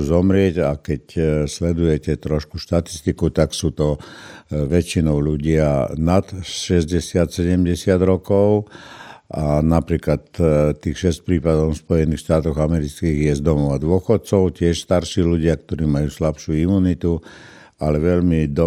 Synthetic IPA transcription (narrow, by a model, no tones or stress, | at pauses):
zɔmɾɪɛɟakɛcslɛd̪ujɛcɛt̪ɾɔʃkuʃt̪at̪i̥st̪ikut̪aksuːt̪ɔ | ʋɛt͡ʃinɔʊluɟɪanat̪ʃɛzɟɛsɪat̪sɛɟɛmɟɛsɪad̪ɾɔkɔʊ | ʔanapɾiːklat̪t̪ːiːxʃɛsc̚pɾiːpad̪ɔʊspɔjɛniːxʃt̪aːt̪ɔɣamɛɾit͡skiːɣjɛzd̪ɔmɔʊad̪ʊɔxɔt̪̚t͡sɔʊcɪɛʃst̪aɾʃiːluɟɪak̚t̪ɔɾiːmajuːslapʃuimuːnit̪u | alɛʋɛʎmid̪ɔ